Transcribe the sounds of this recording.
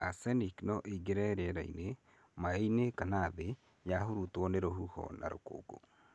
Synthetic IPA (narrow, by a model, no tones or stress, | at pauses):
asɛniknɔʔeiɡeɾɛɾɛɾaḭne | maeinekanaðe | jaɦuɾutwɔneɾohuhɔ̰na̰ɾo̰ko̰ːɡo̰